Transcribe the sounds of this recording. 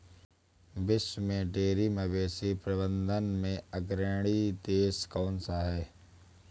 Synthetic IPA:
bɪʃwmẽɖeːɾiməbeːsipɾɐbə̃nd̪ʱənmẽəɡɾeːɽ̃it̪eːskɔːnsaɦɛː

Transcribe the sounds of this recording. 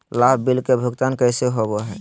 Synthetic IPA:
labbilkebʱʊɡt̪ankəɪseɦobɔɦɛ

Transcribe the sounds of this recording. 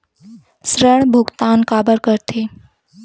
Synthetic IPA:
sɾəɳbʱuɡt̪ankabəɾkəɾt̪ʰe

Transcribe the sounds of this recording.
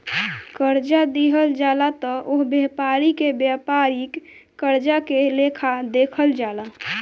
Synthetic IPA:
kəɾd͡ʒad̪iɦəld͡ʒalat̪ɔʔoɦbjepaɾikebjapaɾik | kːəɾd͡ʒakelekʰad̪ekʰəld͡ʒala

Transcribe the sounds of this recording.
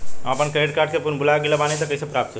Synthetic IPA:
əpənkəjɖkaɾɖkepunbʱulaɡeləbanit̪əkəjsepɾapt̪t͡ʃʰe

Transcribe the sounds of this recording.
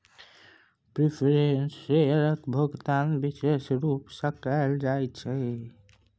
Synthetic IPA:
pɾipʰeɾensːeɾəkbʱəɡt̪anbisesɾupsəkəld͡ʒajt͡ʃʰɛ

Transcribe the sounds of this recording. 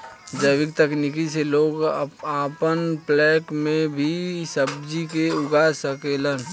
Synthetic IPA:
d͡ʒəɪʋɪk̚t̪əknikiseloːɡaːpənplɛːkmẽbʱisəbd͡ʒikeʊɡasəkelən

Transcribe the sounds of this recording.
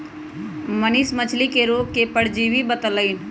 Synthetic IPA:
mənɪsmət͡ʃʰlikeɾoːɡ̚kepəɽd͡ʒiːʋibət̪ələɪn

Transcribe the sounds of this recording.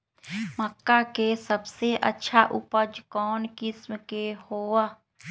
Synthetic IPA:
məkːakesəbseʔə̰tːʃʰaʔʊpəd͡ʒkɔːnkɪsmkehoːa

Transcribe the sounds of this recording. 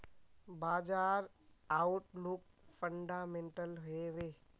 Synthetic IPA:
baːd͡ʒaːɾ | auʈlʊk̚fə̃ɳɖaːmẽːɳʈəlɦʊeʋe

